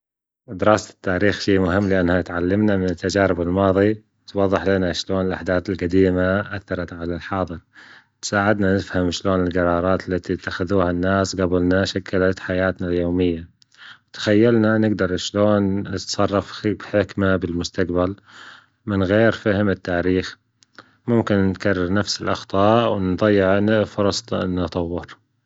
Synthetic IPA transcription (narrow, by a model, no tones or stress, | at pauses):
d̪ɪɾɑːst̪ːaːɾiːxʃiːmʊɦɪmːlɪʔanːhat̪ʕalːamnamɪnɪt̪ːad͡ʒaːɾɪbɪlmɑːðˤi | t̪wɑðˤːɨħlɪnaʃloːnɪlʔa̰ħd̪aːθɪlqad̪iːmaʔaθːɑɾˤɑt̪ʕalalħɑːðˤɨɾ | t̪saːʕɪd̪nanɪfhamʃloːnɪlɡɑɾˤɑːɾˤɑːt̪ɪlːat̪it̪ːaxɪðuːhanːaːsɡabɪlnaʃakːalat̪ħajaːt̪naljoːmɪjːa | wt̪ḁxajːalnanɪɡd̪ɑɾˤʃloːnːɪt̪sˤɑrˤːɑfbħɪkmabɪlmʊst̪aqbal | mɪnɣeːɾfahɪmɪt̪ːaːɾiːx | mʊmkɪnːɪt̪karˤːɑɾnafsɪlʔɑxt̪ˤɑːʔwɪnd̪ˤɑjːɪʕnfʊɾˤɑsˤt̪nɨt̪ˤɑwːɪɾ